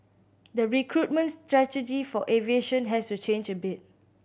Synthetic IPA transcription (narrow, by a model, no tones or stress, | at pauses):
dəɹikʰɹut̚mə̃nstɹɛtəd͡ʒifɔʔɛvieʃə̃nɦɛstut͡ʃẽnd͡ʒəbɪt̚